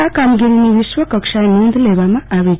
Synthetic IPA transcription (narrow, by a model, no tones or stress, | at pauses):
akamɡiɾiniwiswəkʌkʃanund̪lebamãabe